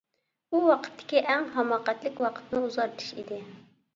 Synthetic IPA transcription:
uwɑqʰə̥t̪ʰːɪ̥kʲiʔɛŋɦɑmɑːqɛt̪lɪkʲwɑqʰə̥t̪nɨuzɑɾt̪ʰɨ̥ʃḭd̪ɪ

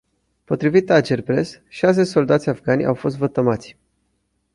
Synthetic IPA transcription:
po̞t̪ɾivit̪ad͡ʒerpɾe̞sʃas̬e̞so̞ld̪at̪sʲafɡanʲja̰wfo̞s̬t̪vət̪əmat̪sʲ

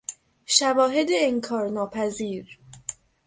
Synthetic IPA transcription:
ʃævɒːɦe̞d̪eːŋkʰɒːɾnɒːpʰæziːɾ

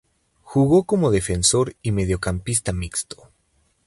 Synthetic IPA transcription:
xuɣo̞ko̞mo̞ðe̞fe̞nso̞ɾime̞ðjo̞kampis̬t̪amikst̪o̥

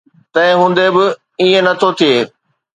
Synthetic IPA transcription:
t̪ɐ̃ɦɪ̃ɦũːnd̪ebɪ | iẽnɐt̪ʰot̪ʰijeː

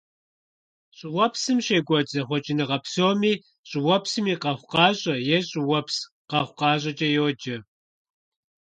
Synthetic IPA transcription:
ɕʼɪwɔpsɨmɕeːɡʷɔd͡ʒɐχʷɔt͡ʃʼɪnɨʁɐpsoːmiː | ɕʼɪwɔpsɨmiːqɐχʷqɑːʑʼɐjɛɕʼɪwɔps | qɐχʷqɑːʑ̬ʼɐt͡ʃʼɐjoːd͡ʒɐ

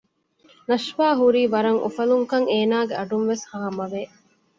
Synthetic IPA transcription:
nɐʃʋaːɦuɾiːʋɐɾɐŋʔṵfɐluŋkɐŋeːnaːɡeʔɐɖunʋeshaːmɐʋeː

